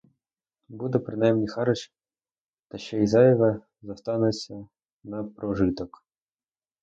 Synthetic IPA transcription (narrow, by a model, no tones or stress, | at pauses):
bud̪ɛpɾɪnɑjmnʲixɑɾɔʃ | t̪ɐʃɛizɑjɔʋɐ | zɐst̪ɑnɛt͡sʲːɐ | nɐpɾɔʒɪt̪ɔk